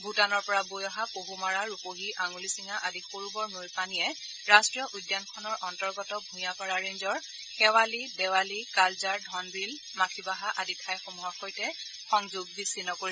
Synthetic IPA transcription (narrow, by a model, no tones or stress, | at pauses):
butanɔɹpɔɹabojɔɦapoɦumaɹaɹupoɦiʔaŋulisiŋaʔadixoɹubɔɹnojpanijɛ | ɹastɹijɔʔujdjankʰɔnɔɹʔɔntɔɹɡɔtɔbʱũjakɔɹaɹenzɔɹ | xɛwalidɛwalikalzaɹdʱɔnbil | makʰibaɦaʔaditʰajxomuɦaxojtɛ | xɔŋzuɡ̚bisinɔkoɹi